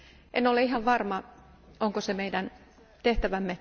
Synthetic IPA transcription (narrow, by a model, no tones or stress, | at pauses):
ʔenoleiɦɑʋʋɑrmɑ | oŋkosemeidæn | t̪eht̪æʋæmːe